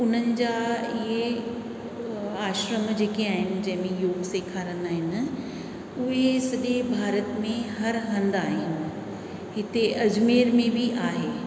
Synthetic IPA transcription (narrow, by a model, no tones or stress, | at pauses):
ʊn̤ənɪ̆d͡ʑaːɪɦe | aːʃɾəmd͡ʑeːkeaːɦɪnɪ̆d͡ʑɐ̃ɦɪ̃mẽjoːɡseːkʰaːɾənaːɦɪn̆ | ʊɦesɐɗebʱaːɾət̪mẽɦɐɾɦɐ̃nd̪aːɦɪnɪ̆ | ɦɪt̪eʔɐd͡ʑmeːɾmẽbʱiʔaːɦeː